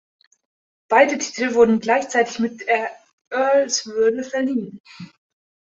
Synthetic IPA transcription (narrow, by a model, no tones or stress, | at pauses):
b̥aɪdətʰi̥ːtʰlvʊɐdn̩ɡlaɪçt͡saɪtɪçmɪt̚eɐ | ʔœɐlsvʏɐd̩fɛɐliːən